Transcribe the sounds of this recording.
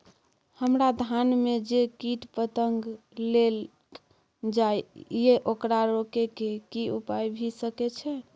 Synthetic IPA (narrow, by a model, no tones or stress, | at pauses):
həmɾad̪ʱanmed͡ʒekiʈpət̪əŋɡ | lel | d͡ʒajjeʔokɾaɾokekekiupajbʱisəkɛt͡ʃʰɛ